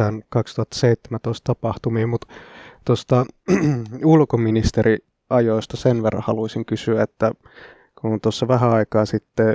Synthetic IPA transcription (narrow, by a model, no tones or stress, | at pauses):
ænkɑkst̪uhɑt̪ːɑ̥seit̪ːemænt̪oist̪ɑpɑht̪umiːmut̪t̪ost̪ɑ | ulkominist̪eɾi | ɑjoist̪ɑsenʋerːɑ̰hɑluisiŋkysyæet̪ːæ | kunt̪osːɑʋæɦæɑikɑːsit̪ːe